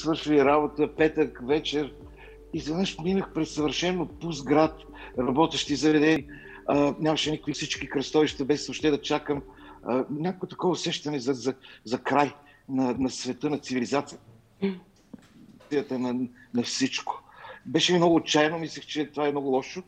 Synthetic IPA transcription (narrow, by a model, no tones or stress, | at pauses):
svɤɾʃiliɾabot̪əpɛt̪əkvɛt͡ʃɛɾ | izɐd̪naʃminəxpɾɛsɐvəɾʃɛnːopuzɡɾat̪ | ɾɐbɔt̪ɛʃt̪izɐvɛd̪ɛni | ənʲamɐʃɛnʲikə̥kvifsit͡ʃkikɾɐst̪ɔviʃt̪əbɛsopʃt̪ɛɛd̪ɐt͡ʃakəmənʲakovot̪ɐ̥kɔvəːsɛʃt̪ɐnɛzɐzɐzɐkɾaj | nɐnɐsvɛt̪ɤnɐt̪sivilizat̪sijət̪ | ijət̪ənɐnɐfsit͡ʃko̥bɛʃɛmimnɔɡʊːtt͡ʃajnomislʲɛxt͡ʃɛt̪ovaɛmnɔɡʊlˠɔʃo